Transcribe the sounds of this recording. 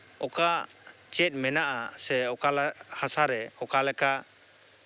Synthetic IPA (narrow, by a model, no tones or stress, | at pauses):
ɔka | t͡ʃɛt̪̚mɛnaʔasɛɔkalhasaɾɛɔkalɛka